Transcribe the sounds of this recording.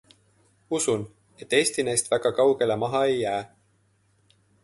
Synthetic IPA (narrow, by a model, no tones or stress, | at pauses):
usun | e̞t̪ːˑe̞ːst̪inæjst̪væɡ̥ɑkɑwɡe̞le̞mɑɦɑe̞jːæː